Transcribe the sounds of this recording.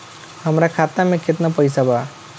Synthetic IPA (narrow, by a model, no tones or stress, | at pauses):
həmɾakʰat̪amẽkɪt̪napəɪsaba